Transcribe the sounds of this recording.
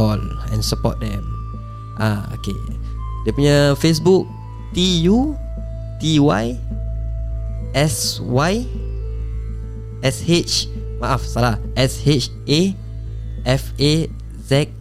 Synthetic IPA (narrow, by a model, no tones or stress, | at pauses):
ɔlɛ̰̃nsəpɔ̰t̚dɛ̃m | ʔao̰kḛdepuɲəfes̬buk̚ | t̪iju | t̪iwaj | ʔɛswaj | ɛshet͡ʃ | maʔafsalaʔɛshet͡ʃ | e | ʔɛfe | zɛk̚